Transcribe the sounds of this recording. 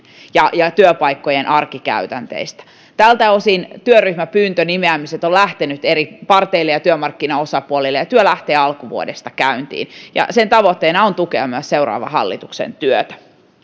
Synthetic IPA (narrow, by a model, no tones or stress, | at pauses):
jɑjɑt̪yøpɑikːojenʔɑrkikæ̰yt̪ænt̪ḛist̪æ̥ | t̪ælt̪æosint̪yøryhmæpyːnt̪ønimeæmiset̪olæht̪enyt̪eɾipɑrt̪eilːejɑt̪yømɑrkːinɑosɑpuolilːejɑt̪yølæht̪eːɑlkuʋuodest̪ɑkæynt̪ḭːnjɑ̰sent̪ɑʋot̪ːeːnɑont̪ukeɑmyɑsseuɾɑ̰ːʋɑ̰ɦɑ̰lːḭt̪uksḛnt̪yøt̪æ̥